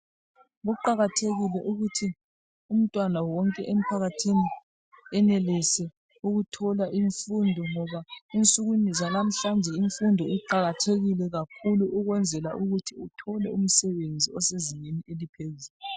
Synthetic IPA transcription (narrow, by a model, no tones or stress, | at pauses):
ɣuǃaɣatʰeɣilɛʔuɣutʰi | um̩tʼwanawɔŋkʼɛʔem̩pʰaɣatʰini | ɛnelisɛ | uɣutʰɔlaʔiɱfundʱɔŋɔβaint͡sʼuɣunizalam̩ɬand͡ʒʱɛiɱfundʱɔiǃaɣatʰeɣilɛɣakʰuluʔuɣwɛnd͡zʱɛlaʔuɣutʰiutʰɔlɛum̩sɛβend͡zʱiɔseziŋenielipʰeɣis